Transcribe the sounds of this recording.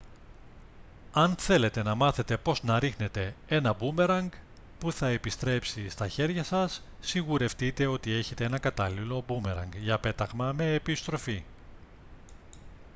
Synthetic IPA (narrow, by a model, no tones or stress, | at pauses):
ɐnθe̞le̞t̪e̞nɐmɐθe̞t̪e̞po̞znɐɾixne̞t̪e̞e̞nɐbume̞ɾɐŋɡ | puθɐe̞pist̪ɾe̞psist̪ɐçe̞ɾʝɐsɐsː | iɣuɾe̞ft̪it̪e̞o̞t̪ie̞çe̞t̪e̞enɐkɐt̪ɐlilo̞bume̞ɾɐ̰ŋɡʝɐpe̞t̪ɐɣmɐme̞ːpist̪ɾo̞fi